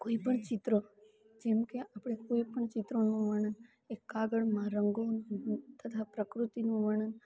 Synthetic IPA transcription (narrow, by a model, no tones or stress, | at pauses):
koipəɳt͡ʃɪt̪ɾo | d͡ʒɛmkeapɽ̃ekoipəɳt͡ʃɪt̪ɾonũʋəɳ̃ən | ekːaɡəɭmãɾəŋɡont̪ʰət̪ʰapɾəkɾut̪inũʋəɳən